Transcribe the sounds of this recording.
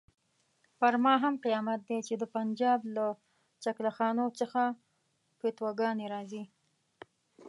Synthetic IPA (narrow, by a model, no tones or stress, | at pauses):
paɾmɑɦamqijɑmat̪̚d̪et͡ʃed̪əpand͡ʒɑbla | t͡ʃaklaxɑnot͡səxa | pet̪waɡɑneɾɑzi